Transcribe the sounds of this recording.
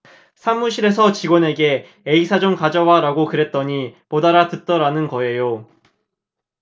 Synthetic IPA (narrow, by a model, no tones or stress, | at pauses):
sʰamːuɕʰiɾe̞sʰʌt͡ɕiɡwʌne̞ɡe̞ | eisʰad͡ʑoŋkad͡ʑʌwaɾaɡokɯɾe̞t̚t͈ʌɲipodaɾatɯt̚t͈ʌɾanɯnɡʌe̞jo